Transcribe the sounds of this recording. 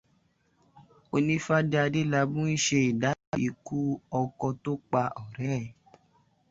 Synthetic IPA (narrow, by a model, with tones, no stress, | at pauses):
o˧nĩ˦fa˦da˧de˦la˧bũ˦i˦ʃe˧i˨da˨˦i˨ku˦ɔ˧kɔ˧to˦k͡pa˧ɔ˨ɾɛ˨˦˨